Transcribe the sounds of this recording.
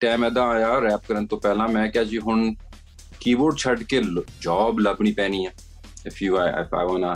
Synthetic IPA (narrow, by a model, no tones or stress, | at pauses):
ʈɛːmɛ̃ːd̪ãːaːjaːɾɛːp̚kəɾənt̪õːpɛːlãːmɛ̃ːkɪaːd͡ʒiːɦʊn | kiːboːɖ̚t͡ʃʰəɖkeːd͡ʒɔːbləbɳiːpɛːnĩːɛ̃ː | ɪfʰjuːa̰ːfʰa̰ːʋãːnaː